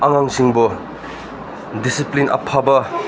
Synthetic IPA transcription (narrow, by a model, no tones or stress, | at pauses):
ɐŋaŋsiŋbo | disiplinʔɐ̰pʰabɐ